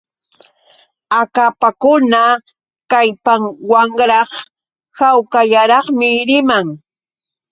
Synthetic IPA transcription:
akapakʊna | kajpaŋwaŋɾɑχ | hawkaʎaɾɑχmɪɾɪmaŋ

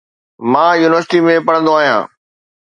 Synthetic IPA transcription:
mãːjuːnɪʋəɾsɪʈimẽpɐɽ̤̃ə̃nd̪oaːɦijã̰ː

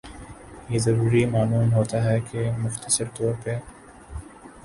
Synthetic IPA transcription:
jeːzɐɾuːɾimaːluːnɦoːt̪aɦɛkemʊxt̪əsəɾt̪oːɾpe

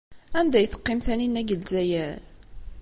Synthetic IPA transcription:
ænd̪æjθə̥qːɪmθæninæɡəlzæjæɾ

